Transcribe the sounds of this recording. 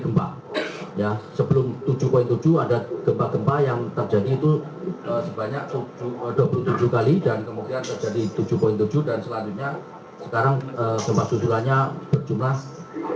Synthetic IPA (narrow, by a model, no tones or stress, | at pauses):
ɡəmpa̰ | jasəbəlʊmt̪ud͡ʒupoɪŋt̪u̥d͡ʒuadaɡ̥əmpaɡ̥əmpajaŋt̪ərd͡ʒadiːt̪u | əsəbaɲak̚t̪ud͡ʒuduapulʊmt̪ud͡ʒukalidankəmut̪iant̪ərd͡ʒadit̪ud͡ʒupoɪŋt̪ud͡ʒudansəlaɲd͡ʒʊt̪̚ɲa | sə̥kaɾaŋəːɡ̥əmpasusulahɲab̥ərd͡ʒumlah